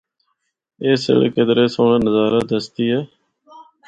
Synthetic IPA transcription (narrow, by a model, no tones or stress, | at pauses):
eːsə̰ɭkəd̪ɾeːsoːɳːnəzaːɾaːd̪əst̪iːeː